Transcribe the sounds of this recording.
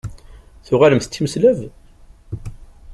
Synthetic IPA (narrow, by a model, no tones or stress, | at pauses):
θʊʁaləmθt̪ːiməslæv